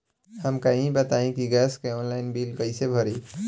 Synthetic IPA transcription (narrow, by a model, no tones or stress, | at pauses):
ɦəmkaĩbət̪aĩkiɡaskeɔnlaɪnbilpəɪsebʱəɾi